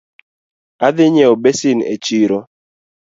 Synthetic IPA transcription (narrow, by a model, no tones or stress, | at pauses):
aðɪɲɛobesinḛt͡ʃiɾo